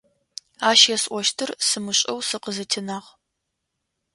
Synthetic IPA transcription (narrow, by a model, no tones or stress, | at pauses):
aːʃjɛsʔʷɔʃtʰɨrsɨmɨɕʼɐ̰wsɨqəzɨtʰɨnaːʁ